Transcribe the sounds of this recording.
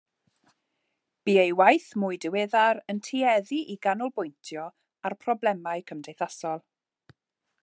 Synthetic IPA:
b̥iːejwajθmʊɨdɪweðaɾəntʰiɛðiʔiɡanʊlˠbʊjntʰjɔ | arpʰrɔblɛmaɨkʰəmdejθasɔlˠ

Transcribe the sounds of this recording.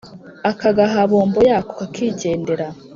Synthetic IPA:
akaɡaɦaβo̞ːmbojako̥kakʰiːɟe̞ːndeɾa

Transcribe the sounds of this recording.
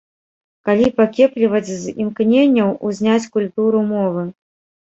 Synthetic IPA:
kalʲipakʲɛplʲivɐt͡sʲzimknʲenʲːɐwuzʲnʲat͡sʲkulʲt̪uɾumɔvɨ

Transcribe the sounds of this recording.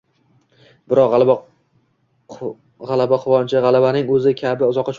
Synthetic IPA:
bɪɾɒq | ʁalˠabaqʰʊvɒnt͡ʃʰaʁalˠabanɪŋɵzɪkʲʰabɪʊzɒqːɑt͡ʃʰ

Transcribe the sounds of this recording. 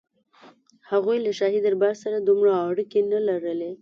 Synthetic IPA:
haɣujlaʃɑɦid̪aɾbaɾsaɾad̪umɽaːɽikenalaɾəle

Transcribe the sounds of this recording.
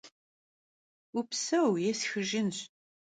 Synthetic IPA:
ʊpsæwjæsçəʒəns

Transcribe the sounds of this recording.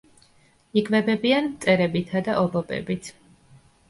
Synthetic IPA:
iɡvɛbɛbianmt̪sʼɛɾɛbit̪ʰad̪aʔɔbɔbɛ̰bit̪ʰ

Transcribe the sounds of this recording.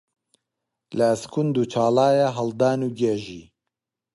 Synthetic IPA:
ləːskʰund̪uːt͡ʃʰaːlaːjaɦɐld̪aːnuːɡɛʒiː

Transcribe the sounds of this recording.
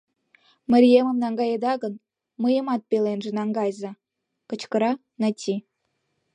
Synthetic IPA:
mə̆ɾʲijemə̆mnɑŋɡɑjed̪ɑɡə̆n | mɤjə̆mɑt̪̚pʲelenʒĕnɑŋɡɑjzɑ̆ | kɤ̆t͡ɕkə̆ɾɑ | nɑtʲi

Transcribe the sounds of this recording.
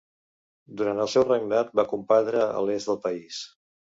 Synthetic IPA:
d̪uɾant̪əlˠsɛwrəɡnat̪̚bakumpat̪ɾəə̰lezd̪əlˠpəis

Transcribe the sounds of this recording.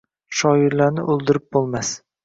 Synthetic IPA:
ʃɒɪɾlaɾnɪʔɵlˠd̪ɪɾɪp̚bolˠmas

